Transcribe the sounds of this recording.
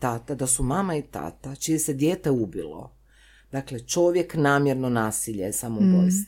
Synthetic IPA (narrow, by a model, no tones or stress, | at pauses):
t̪at̪ad̪asumamait̪a̰t̪at͡ʃijese̞d̪jeːt̪e̞ubḭlo̞̰ | d̪aklet͡ʃo̞ʋje̞knaːmjeɾnonaːsiʎesamoubos